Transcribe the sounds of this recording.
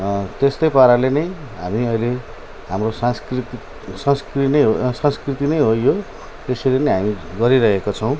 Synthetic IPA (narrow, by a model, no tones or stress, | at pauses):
t̪est̪ojpaɾalenʌj | ɦamiʌjle | ɦamrosasrit̪ | sʌ̃nskrnʌsʌ̃nskrit̪inʌjɦojjo | t̪esʌɾenʌjɦamiɡʌɾiɾʌɦekot͡sʰʌw̃